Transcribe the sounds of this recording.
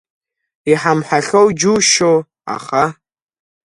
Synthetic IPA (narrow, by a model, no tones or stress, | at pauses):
iħamħaɬowd͡ʒuʃow | a̰χa